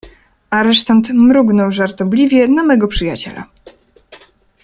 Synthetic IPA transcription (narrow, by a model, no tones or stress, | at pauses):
aɾɛʂt̪ant̪mɾuɡnɔwʐaɾt̪ɔblʲivʲjɛnamɛɡɔpʂɘjat͡ɕɛ̰la̰